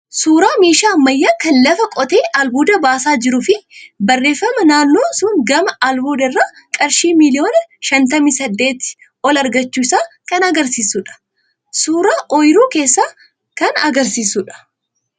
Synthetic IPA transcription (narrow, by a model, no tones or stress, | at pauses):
suːɾaːmiːʃaːmːɐjːaːkɐnlɐfɐkʼɔt̪e̞ːʔɐlbuːd̪ɐbaːsaːd͡ʒɪɾʊfɪbɐrːe̞ːfːɐmɐnaːnːoːsʊŋɡɐmɐʔɐlbuːd̪ɪrːaː | kʼɐɾʃiːmɪlɪjoːnɐʃɐnt̪̬ɐmisɐd̪ːe̞ːt̪ | ɔlɐɾɡɐt͡ʃːuːɪsaːkɐnɐɡɐɾsiːsʊᶑɐ̥ | suːɾaːʔɔjɾuːke̞ːsːaː | kɐnɐɡɐɾsiːsʊᶑɐ̥